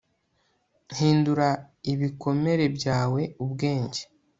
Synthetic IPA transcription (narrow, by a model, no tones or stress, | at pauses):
n̥hiːnduɾaiβikʰo̞me̞ɾe̞bɟaːwe̞ubɡe̞ːɲɟe